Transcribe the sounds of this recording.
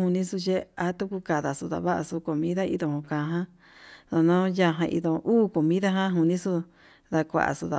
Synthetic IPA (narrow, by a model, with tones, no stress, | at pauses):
u˧nĩ˦su˧t͡ʃe˦a˧˦t̪u˦ku˧ka˨ða˨su˧ða̰˨βa˦ʔa̰˧su˧ko˨mĩ˦ða˦ḭ˧ðõ˧hõ˧kã˨˧ɦã˦ | ðo˧nõ˦ja˦˧ɦã˧ʔḭ˧ðõ˧ʔuː˦ko˨mĩ˦ða˦ɦã˦ɦu˧nĩ˦su˦ | ða˧kʷa̰˧˨ʔa̰˨su˧ða̰˨